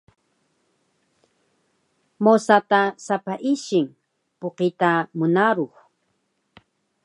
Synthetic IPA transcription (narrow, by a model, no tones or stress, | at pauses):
mosat̪asapaʔɪʃɪŋ | poqɪt̪amʊnaɾoχ